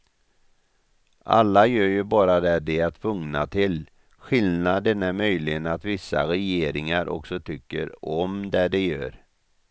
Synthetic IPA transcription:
ʔa̰lːajøːɾjɵbɑːɾad̪ɛɖɛat̪ʰvɵŋna̰t̪ʰɪl | ɧɪlnad̪ɛnːæmœjlɪɡənat̪vɪsːa̰ɾɛjeːɾɪŋaɾʔɔ̰ksɔt̪ʰʏkːə̰ɾɔmd̪æɖɛjø̰ːɾ

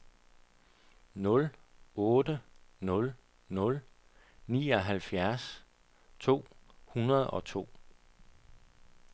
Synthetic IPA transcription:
nɔ̽lɔ̽ːdənɔ̽l | nɔ̽l | nḭːɒ̽ɦælfjæɐs | t͡sʰo̝̰ːhunɐð̞ˠɒ̽t͡sʰo̝̰ː

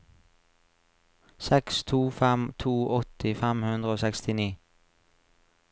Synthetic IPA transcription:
sɛkst̪ʰuːfɛmt̪ʰuːʔɔt̪ɪfæmhʉnd̪ʁəoːsɛkst̪ɪniː

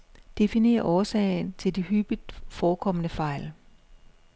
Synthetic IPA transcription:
d̥e̝fine̝̰ːɐʔɒːsɛ̰ːɪn̩t͡sʰe̝ld̥ihyb̥id̥fɒːkʰɒ̽mənəfɑ̈ɪ̰l

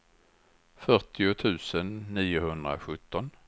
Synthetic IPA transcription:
fœʈɪʊt̪ʰʉ̟ːsənːiːʊhɵnd̪ɾa̰ɧɵt̪ːɔn

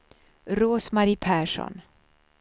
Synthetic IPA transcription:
ɾoːsmaɾiːpʰɛɾʃɔ̰n

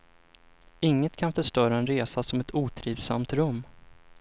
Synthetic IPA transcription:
ɪŋːət̪kʰanfœʂʈœːɾaɛnɾeːsasɔmɛt̪ʰuːt̪ʰɾiːvsa̰mt̪ɾɵmː

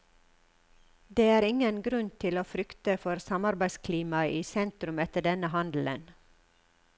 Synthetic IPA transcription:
d̪eːæːɾɪŋənɡɾʉnt̪ʰɪloːfɾʏkt̪əfɔɾsɑmɑɾbæɪskʰliːmɑʔiːsɛnt̪ɾʉmɛt̪əɖɛnəhɑnd̪l̩ə̰n

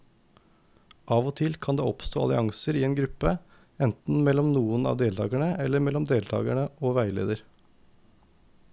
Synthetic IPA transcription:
ʔɑːʋoːt̪ʰɪlkʰɑnd̪eːɔpst̪oːɑlɪ̰ʔɑŋsəɾiːeːnɡɾʉpə | ɛnt̪n̩mɛlɔmnuːənɑ̰ːd̪eːlt̪ʰɑ̰ːɡæɳəɛlːəmɛlːɔmd̪eːlt̪ʰɑ̰ːɡəɳəʔoːʋæɪlḛːd̪əɾ

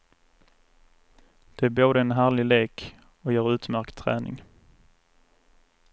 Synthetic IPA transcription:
d̪̥ɛæɾboːd̪əɛnɦæːlɪleːk | ɔjœːɾʉ̟ːt̪mæɾkt̪ʰːɾæ̰ːnɪ̰ŋ

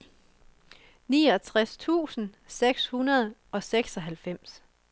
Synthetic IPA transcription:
niːɒt͡sʰʁast͡sʰṵːsn̩ | seɡ̥shunɐð̞ˠɒ̽seɡ̥sɒ̽ɦælfem̰s

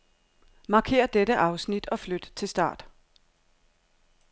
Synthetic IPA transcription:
mɑ̈ːkʰe̝̰ːɐd̥eɾəʔɑ̈ʊsnid̥ɒ̽flød̥t͡sʰe̝lsd̥ɑ̰̈ːd̥

